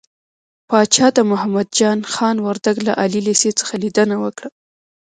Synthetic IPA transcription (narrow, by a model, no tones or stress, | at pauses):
pɑt͡ʃɑt̪amʊɦamad̪̚d͡ʒɑnxɑnwaɾd̪aɡla̰ʔɑlileset͡sə̥xalid̪ənawəkɽa